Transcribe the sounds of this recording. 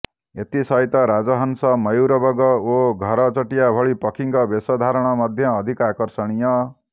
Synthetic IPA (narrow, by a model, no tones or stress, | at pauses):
et̪isʌjt̪ʌɾad͡zʌɦʌnsʌmʌjwɾʌbʌɡʌoɡʱʌɾʌt͡sʌʈijabʱʌɭipʌkʰiŋkʌbesʌd̪ʱaɾʌɽ̃ʌmʌd̪ʱjʌːd̪ʱikakʌrsʌɽ̃ijʌ